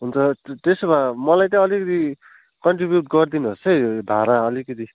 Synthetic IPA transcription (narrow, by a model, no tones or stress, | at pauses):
ɦunt͡sʰʌt̪esobãmʌlajt̪ʌ̃ʌlikʌt̪i | kʌɳʈribjuʈɡʌrd̪inuɦosʌb̪ʱaɾaʌlikʌt̪i